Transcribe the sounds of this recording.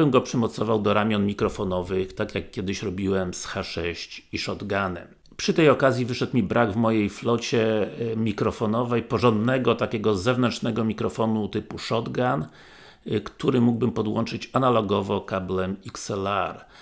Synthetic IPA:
ɘmɡɔpʂɘmɔt̪sɔvawd̪ɔɾamʲjɔnmʲikɾɔfɔnɔvɘxt̪akʲjakːʲjɛd̪ɘɕɾɔbʲiwɛmsxaʂɛɕt͡ɕiʂɔd̪ɡanɛ̰m | pʂɘt̪ɛjɔkazʲjivɘʂɛt̪mʲibɾʔaɡvmɔjejflɔt͡ɕɛmʲikɾɔfɔnɔvɛjpɔʐɔnd̪nɛɡɔt̪akʲɛɡɔzɛvnɛntt͡ʂnɛɡɔmʲikɾɔfɔnut̪ɘpuʂɔd̪ɡan | kt̪uɾɘmuɡ̚bɘmpɔd̪wɔnt͡ʂɘt͡ɕanalɔɡɔvɔkablɛmiksɛlaɾ

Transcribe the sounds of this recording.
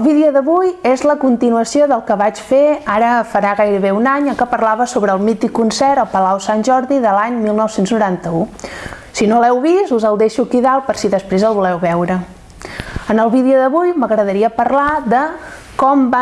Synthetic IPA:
əlˠβiðiuðəβujezləkunt̪inuəsioðəlˠkəβat͡ʃfeaɾəfəɾaɣajɾəβeunaɲəŋkəpəɾlaβəsoβɾəːlˠmit̪ikːunsɛɾəlˠpəlawsanʲʒɔɾðiðəlaɲmilˠnɔwsenznuɾant̪əu | sinolɛwβisuzəlˠd̪eʃukiðalpəɾsiðəspɾezəlˠβulɛwβɛwɾə | ənəlˠβiðiuðəβujməɣɾəðəɾiəpəɾlad̪ə | kɔmb

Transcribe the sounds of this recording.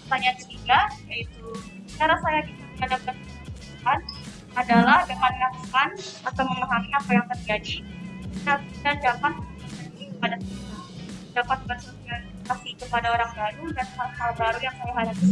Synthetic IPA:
taɲatət̪iɡajait̪u | t͡ʃaɾasajaɡi | ikadapat̪̚iasukan | adalahdimannat̪kanat̪awməmaɦaniapajaŋt̪ərd͡ʒadit̪aid̪and͡ʒapat̪̚asasəndiɾikəpadasəinadapat̪̚bat̪uka | kasikəpadaoɾaŋbaɾudanaɾaalbaɾujaŋsajaɦaɾads

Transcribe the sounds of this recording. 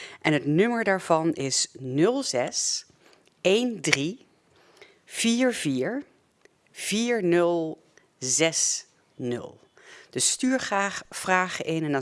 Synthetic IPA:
ʔɛnɦətnɵməɹdaːɹv̥ɑnɪsnɵlˠzɛs | ejndri | v̥iːɹviːɹ | v̥iːɹnɵlˠ | zɛs | nɵ̰lˠ | d̥əstyːɹav̥raːχəʔɪnɛndɑ

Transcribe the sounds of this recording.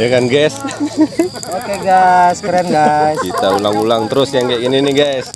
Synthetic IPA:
jakanɡas | okeɡaskəɾanɡajsit̪aulaŋulaŋt̪əɾʊsjaŋkakininiɡajs

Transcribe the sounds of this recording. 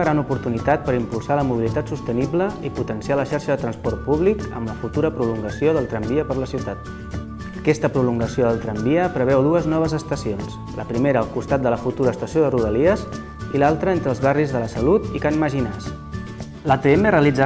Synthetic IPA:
ɣɾanupuɾt̪unit̪at̪̚pəɾimpulˠsaləmuβilit̪at̪sust̪ənibləiput̪ənsialəʃaɾʃəðət̪ɾənspɔɾt̪̚puβlikə̰mləfut̪uɾəpɾuluŋɡəsioðəlˠt̪ɾambiəpəɾləsiwt̪at̪ | əkɛst̪əpɾuluŋɡəsioðəlˠt̪ɾəmbiəpɾəβ̞ɛwðuəznɔβ̞əzəst̪əsions | ləpɾimeɾəːlˠkust̪at̪d̪ələfut̪uɾəːst̪əsjoðəruðəliəz | ilalˠt̪ɾəent̪ɾəːlˠzβarizðələsəlut̪ikanməʒinas | lat̪eeməreəlid͡za

